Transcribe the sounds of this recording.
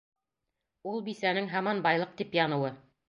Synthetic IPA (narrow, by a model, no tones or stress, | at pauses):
ulˠbisænɘŋɦɑmɑnbɑjlˠɤq̚t̪ipjɑnɤ̆wɤ